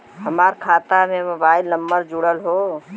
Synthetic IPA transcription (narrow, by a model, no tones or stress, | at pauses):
ɦəmaːɾkʰaːt̪amẽmobaːɪlnəmːəɾd͡ʒʊɽəlɦo